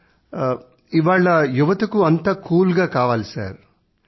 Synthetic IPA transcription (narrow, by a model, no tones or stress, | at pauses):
iʋaːɭːɐjuʋɐt̪ɐkuɐnt̪aːkuːlɡaːkaːʋaːlisa̰ːɾ